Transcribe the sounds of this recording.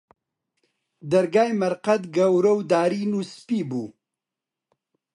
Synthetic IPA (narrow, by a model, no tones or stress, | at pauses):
d̪ɐɾɡaːjmɐɾqɐt̪ɡɐwɾɐwd̪aːɾiːnuspiːbuː